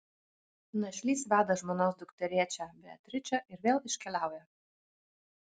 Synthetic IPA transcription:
nɐʃʲlʲiːsʋʲæːd̪ɐʒmoːnoːs̬d̪ʊkt̪ʲɛɾʲiɛt͡ʃʲɛbʲɛt̪ʲɾʲɪt͡ʃʲɛʔɪɾʋʲeːlˠɪʃʲkʲɛlʲæˑʊjɛ

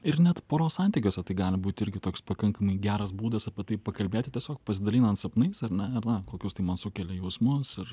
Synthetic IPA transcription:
ɪɾnʲɛt̪poːɾoːsɐnʲt̪ʲikʲoːsʲɛt̪ɐɪɡɑːlʲɪbuːt̪ʲɪɾʲɡʲɪt̪oːkspɐkɐŋkɐmɐɪɡʲæːɾɐsbuːd̪ɐsɐpʲiɛt̪ɐɪpɐkɐlʲbʲeːtʲɪt̪ʲiɛsʲoːk̚pɐsʲɪd̪ɐlʲiːnɐnt̪sɐpnɐɪsɐɾnʲɛɐɾnɐkoːkʲʊst̪ɐɪmɐnsʊkʲɛlʲɛjɛʊsmʊsɪr

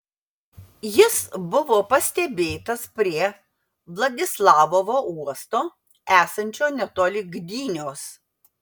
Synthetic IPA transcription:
jɪsbʊʋoːpɐsʲt̪ʲɛbʲeːt̪ɐspʲɾʲiɛ | ʋlˠɐd̪ʲɪslˠɑːʋoʋoːuɔst̪oː | æːsɐnʲt͡ʃʲoːnʲɛt̪oːlʲɪɡd̪ʲiːnʲoːs

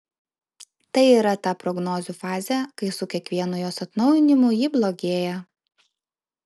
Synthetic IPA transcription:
t̪ɐɪiːɾɐt̪ɑːpɾɔɡnɔːzʲuːfɑːzʲɛˑkɐɪsʊkʲɛkʋʲiɛnʊjoːsɐt̪nɒʊjɪnʲɪmʊjiːblˠoɡʲeːjɛ

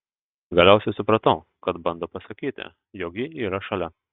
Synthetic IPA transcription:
ɡɐlʲæˑʊsʲɛɪsʊpɾɐt̪ɐʊ | kɐt̪bɐnd̪oːpɐsɐkʲiːt̪ʲɪ̰ | joːkjɪiːɾɐʃɐlʲɛ

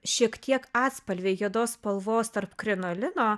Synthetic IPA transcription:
ʃʲiɛkt̪ʲiɛkɑːt̪spɐlʲʋʲeɪjiɛd̪oːspɐlˠʋoːst̪ɐrpkɾʲɛnolʲɪnoː

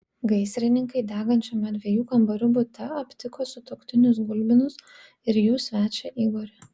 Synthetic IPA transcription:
ɡɐɪsʲɾʲɪnʲɪŋkɐɪd̪ʲæːɡɐnʲt͡ʃʲoːmʲɛd̪ʲʋʲiɛjuːkɐmbɐɾʲʊbʊt̪ʲɛɐpʲt̪ʲɪkoːsʊt̪okt̪ʲɪnʲʊsɡʊlʲbʲɪnʊs | ɪɾjuːsʲʋʲæːt͡ʃʲɛʔiːɡoːɾʲɛ

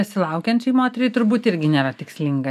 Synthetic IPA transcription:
ɛsʲɪlˠɐʊkʲɛnʲt͡ʃʲɛɪmoːt̪ʲɛɾʲɪt̪ʊɾbuːt̪ɪɾʲɡʲɪnʲeːɾɐt̪ʲɪksʲlʲɪŋɡɐ

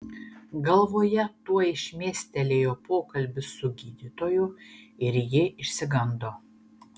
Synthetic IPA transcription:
ɡɐlˠʋoːjɛt̪uɔɪʃʲmʲiɛsʲt̪ʲɛlʲeːjoːpoːkɐlʲbʲɪsʊɡʲiːd̪ʲɪt̪oːjʊɪɾjɪɪʃʲsʲɪɡɐnd̪oː

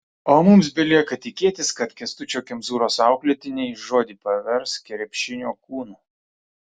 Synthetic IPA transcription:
oːmʊmsbʲɛlʲiɛkɐt̪ʲɪkʲeːt̪ʲɪskɐt̪kʲɛst̪ʊt͡ʃʲoːkʲɛmzuːɾoːsɑˑʊklʲɛt̪ʲɪnʲɛɪʒoːd̪ʲɪːpɐʋʲɛɾskʲɛɾʲɛpʲʃʲɪnʲoːkuːnuː

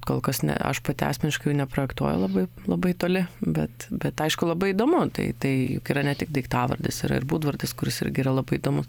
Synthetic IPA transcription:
koːlˠkɐsnʲɛ̰ɐ̰ʃpɐt̪ʲɪɑ̰ːsʲmʲɛnʲɪʃkɐɪjʊnʲɛpɾoːjɛkt̪uɔjʊ̰lˠɐbɐɪ | lˠɐbɐɪt̪oːlʲɪbʲɛt̪bʲɛt̪ɐɪʃkʊlˠɐbɐɪid̪oːmʊt̪ɐ̰ɪt̪ɐɪjʊkiːɾɐnʲɛt̪ʲɪk̚d̪ɐɪkt̪ɑːʋɐ̰rʲd̪ʲɪ̰sḭɾɐ̰ɪ̰rbuːd̪ʋɐrʲd̪ʲɪskʊɾʲɪsɪ̰ɾʲɡʲɪːɾɐlˠɐbɐɪid̪oːmʊs

